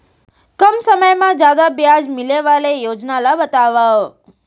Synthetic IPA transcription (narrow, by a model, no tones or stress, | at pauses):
kəmsəməjmãd͡ʒad̪abjad͡ʒmɪleʋalejod͡ʒnalabət̪aʋao